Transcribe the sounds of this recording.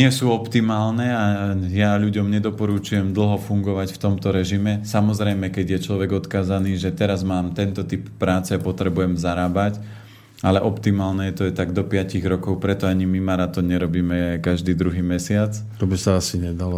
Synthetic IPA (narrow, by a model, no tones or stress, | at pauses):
ɲɪɛsuːɔpt̪imaːlnɛajaʎuɟɔmɲɛd̪ɔpɔɾut͡ʃujɛmd̪l̩ɦɔfuŋɡɔʋacft̪ɔmt̪ɔɾɛʒimɛsamɔzɾɛjmɛkɛɟjɛt͡ʃlɔʋɛɡɔt̪kaːzaniːʒɛt̪ɛɾazmaːmt̪ɛnt̪ɔt̪ipːɾaːt͡sɛapɔt̪ɾɛbujɛmzaɾaːbac | alɛʔɔpt̪imaːlnɛjɛt̪ɔjɛt̪aɡd̪ɔpɪaciɣɾɔkɔʊpɾɛt̪ɔaɲimimaɾat̪ɔnɲɛɾɔbiːmɛkaʒd̪iːd̪ɾuɦiːmɛsɪat͡s | t̪ɔbisaasiɲɛd̪alɔ